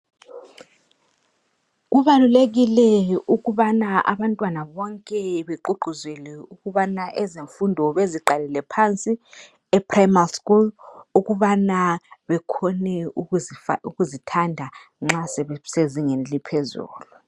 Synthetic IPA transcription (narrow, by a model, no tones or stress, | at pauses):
ɣuβaluleɣilɛuɣuβanaa̰βantʼwanaβɔŋkʼɛβɛǃuǃʱuzɛlɛuɣuβanaʔɛzeɱfundʱɔβeziǃalɛlɛpʰant͡sʼi | ɛpʰrajmalskʼuluɣuβanaβɛkʰɔnɛuuɣuzitʰandʱaŋ͡ǁasɛseziŋɛnlipʰɛzṵːlu